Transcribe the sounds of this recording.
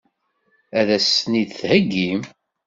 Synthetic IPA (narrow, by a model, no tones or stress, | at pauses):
æðæsnid̪θhəɡːim